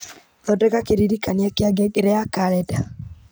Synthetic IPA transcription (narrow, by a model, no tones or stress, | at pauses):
ðɔdɛɡakeɾiɾikaniɛkɪaɡɛɡɾɛakaɾɛda